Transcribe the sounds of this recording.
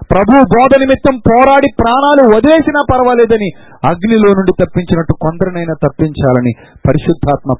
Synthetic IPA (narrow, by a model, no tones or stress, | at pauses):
pɾɐbʱuwubɔːd̪ɐnimit̪ːɐmpɔːɾaːɽipɾaːnaːluɐd̪le̞ːsinaːpɐɾɐʋɐlɛːd̪ɐni | ɐɡnilo̞ːnuɳɖit̪ɐpːiɲt͡ʃinɐʈːukond̪ɐɾɐnɐjnɐt̪ɐpːiɲt͡ʃaːlɐni | pɐɾiʃud̪ʱːaːt̪mɐ